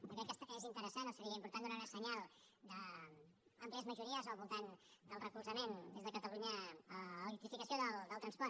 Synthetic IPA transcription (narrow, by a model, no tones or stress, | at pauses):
d̪əkekɛst̪ezint̪əɾəsanosəɾiəimpuɾt̪and̪unaɾəsəɲalˠd̪ə | ampliəzməʒuɾiəzalβulˠt̪and̪əlˠrəkulsɐmẽnd̪ezðəkət̪aluɲə | t̪ɾifikɐsjoðəld̪əlˠt̪ɾɐnspɔɾt̪